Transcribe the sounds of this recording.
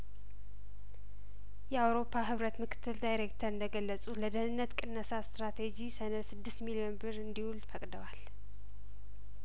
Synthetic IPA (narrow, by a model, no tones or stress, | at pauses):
jɛawɾo̞pʰːaɦɨβɾət̪mɨkʰɨ̥t̪ʰːɨld̪ajɾekt̪ʰəɾɨnd̪əɡəlːəsʼuləd̪ənɨnːət̪kʼɨnːəsast̪ɾat̪ʰed͡ʒisənəsɨd̪ːɨst̪milio̞nbɨɾɨnd̪ihuld̪fəkʼd̪əwal